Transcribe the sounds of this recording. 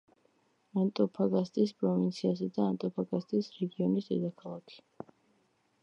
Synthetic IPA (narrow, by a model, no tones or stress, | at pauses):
ant̪ʼɔpʰaɡast̪ʼispʼɾɔvint̪sʰiasɛd̪aːnt̪ʼɔpʰaɡast̪ʼisɾɛɡiɔnisd̪ɛd̪akʰalˠakʰi̥